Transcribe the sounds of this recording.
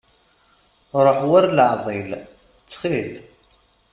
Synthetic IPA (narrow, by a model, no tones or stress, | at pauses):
ɾˤəħwæɾləʕðˤil | t͡sːχil